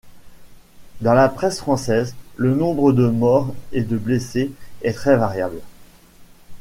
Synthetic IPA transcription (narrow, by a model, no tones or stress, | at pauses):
d̪ɑ̃lapχɛsfχɑ̃sɛzlənɔ̃bʁəd̪əmɔʁed̪əbleseɛt̪χɛvaʁjabl